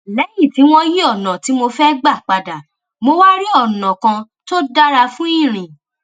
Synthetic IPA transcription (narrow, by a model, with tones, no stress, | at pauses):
lɛ˨˦ji˦˨ti˨˦w̃ɔ̃˦ji˦ɔ˦˨nɔ̃˨ti˨˦mo˧fɛ˦ɡ͡ba˦˨k͡pa˨da˨ | mo˧wa˦ɾi˦ɔ˦˨nɔ̃˨kã˧ | to˦da˦ɾa˧fũ˦ĩ˦˨ɾ̃ĩ˨